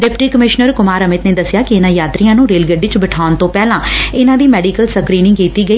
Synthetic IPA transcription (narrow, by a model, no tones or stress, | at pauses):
ɖɪpʈiːkəmɪʃnəɾkʊmaːɾəmɪt̪neːd̪əsjaːkɪɪnãːjaːt̪ɾijãːnũːɾeːlɡəɖit͡ʃbɪʈʰaːʊnt̪õːpɛːlãːɪnãːd̪iːmɛːɖiːkəlsəkɾiːnɪ̃ŋɡkiːt̪iːɡəiː